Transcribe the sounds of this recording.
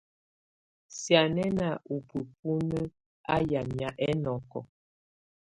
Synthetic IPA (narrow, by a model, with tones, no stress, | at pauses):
sja˨nɛ˦na˨ʔu˨pə˨p̚u˦nə˦ | a̰˦ja˨mja˨ʔɛ˦nɔ˨kɔ̰˨